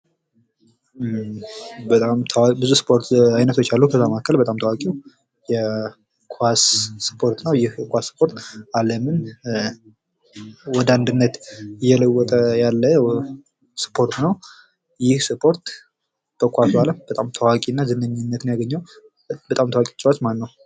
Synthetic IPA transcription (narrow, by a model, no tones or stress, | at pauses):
bət̪ʼamt̪ʰwabɨzusɨ̥pʰo̞ɾt̪ajnət̪ʰo̞t͡ʃːalːəhukʰəzːamakʰːəlbət̪ʼamt̪ʰəwakʼiw | jɛ | kʰwasːɨ̥pʰo̞ɾt̪nəwjɪhjɛkʷasːɨ̥pʰo̞ɾt̪aləmɨn | wɔd̪əand̪ɨnːət̪ɨjːɛləwːɔt̪ʼəjalːə | sɨ̥pʰo̞ɾt̪nəw | jɪhsɨpʰo̞ɾt̪ | bəkʷasualəmbət̪ʼamt̪ʰəwakʼinːazɨnːəɲːɪnːət̪njaɡəɲːaw | bət̪ʼamt̪ʰəwakʼit͡ʃʼwat͡ʃ̪manːəw